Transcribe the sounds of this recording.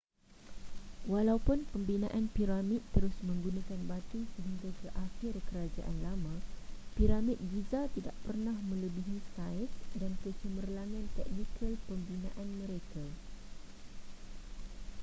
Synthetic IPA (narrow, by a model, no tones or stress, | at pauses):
walawpʊnpəmbinã̰ʔanpiɾamit̪̚ːəɾʊsmə̃ŋɡunãkanbat̪isəɦiŋɡakəʔaxɪrkəɾad͡ʒa̰ʔa̰nlamãpiɾamit̪̚ɡizat̪ida̰ʔpərnãhmə̃ləbiɦisajɪsdankət͡ʃəmərlaŋãnt̪ɛk̚nikʰəlpəmbinã̰ʔanmə̃ɾekʰa